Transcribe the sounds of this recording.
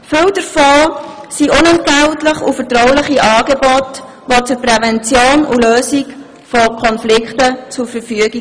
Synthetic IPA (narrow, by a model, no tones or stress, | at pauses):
fʏwd̥əɾfoːsiʔʊnɛntɡ̥æwtləχufətrɔʊlɪχiʔɑːɡebɔt | ʋot͡sʊɾpɾɛvɛnt͡sjoːnuløːsik | fɔkʰɔnflɪkχtət͡suɾfəɾfyəɡi